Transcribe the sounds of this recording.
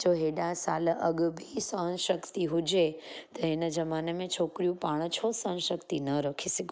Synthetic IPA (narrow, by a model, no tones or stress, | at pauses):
d͡ʒoːɦeːɗãsaːlʔɐɠbʱisɐɦə̃nʃɐkt̪iɦʊd͡ʑet̪ɐɦɪnə̆d͡ʑɐmaːnemẽt͡ɕʰoːkɾijũpaːɽ̃t͡ɕʰosɐnʃɐkt̪inɐɾɐkʰisɪɡʱ